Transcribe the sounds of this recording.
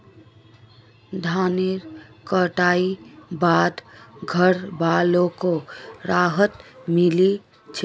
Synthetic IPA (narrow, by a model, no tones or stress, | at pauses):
d̪ʱaneɾkəʈaibad̪ɡʱəɾbalokoɾaɦət̪mili | t͡ʃʰ